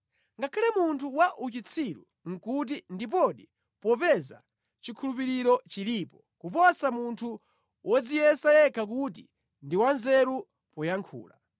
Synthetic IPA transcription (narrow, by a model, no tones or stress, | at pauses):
ŋɡakʰalɛmuntʰuwaʔut͡ʃit͡sʰiɾṵ | ŋ̩kut̬indip̬ɔɗi | pɔpɛza̰ | t͡ʃikʰulupiɾiɾɔt͡ʃiliːpɔ | kupɔsamuntʰu | wʔɔd͡zijɛsajɛkʰak̬utḭ | ndiwanzɛɾu | pɔjaŋkʰṵːla̰